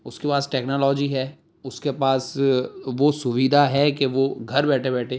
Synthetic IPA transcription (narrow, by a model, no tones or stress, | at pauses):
ʊskepaːsʈɛːknɔːlɔːd͡ʒiɦɛː | ʊskepaːsʋosʊʋiːd̪ʱaɦɛkeʋoɡʱɐɾbɛːʈʰebɛːʈʰeː